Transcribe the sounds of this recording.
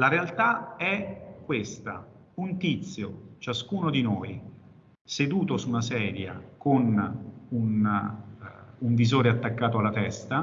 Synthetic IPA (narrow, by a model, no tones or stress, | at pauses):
laɾealt̪aɛkːwest̪a̰ | unt̪it̪sːjot͡ʃaskuːnod̪inoːj | sed̪uːt̪osunasɛːɾja̰konun | uɱvizoːɾeat̪ːakːaːt̪oalːat̪ɛst̪a